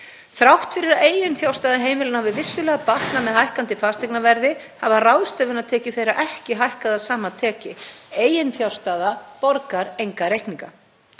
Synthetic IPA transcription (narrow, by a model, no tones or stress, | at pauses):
θɾawht̪fɪɾɪɾaeːjɪnfjawst̪aːðaɦeːjmɪlɪnahavɪvɪsːʏlɛːɣapaht̪namɛðɦajhkant̪ɪfaːst̪ɛknavɛɾðɪhavarawðst̪œːvʏnaðt̪ʰɛːcɪθejɾaʔɛhcɪɦajhkaðaðsaːmat̪ʰɛːcɪeːjɪnfjaw̥st̪aːðapɔɾkaɾejŋkaɾejhkniŋka